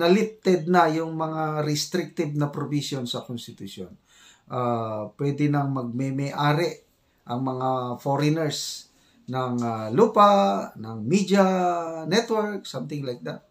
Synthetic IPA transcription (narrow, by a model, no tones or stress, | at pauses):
nɐlɪp̚t̪ɛd̪̚nɐjʊŋmɐŋaɾɪst̪ɾɪk̚t̪ɪb̚nɐpɾobisjonsɐkonst̪ɪt̪ʊsjo̰n | ʔapwɛd̪ɪnɐŋmɐɡ̚mɛmɛʔaːɾɛʔ | ʔɐŋmɐŋafoɾɪnɛɹs | nɐŋaluːpanɐŋmid͡ʒanɛt̪wɛɹk̚samt̪ɪŋlajk̚d̪at̪̚